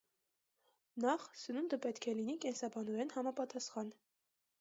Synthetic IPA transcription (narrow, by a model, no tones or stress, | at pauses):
nɑχsənund̪əpɛt̪kʰɛlinikɛnsɑbɑnɔɾɛnhɑmɑpɑt̪ɑsχɑn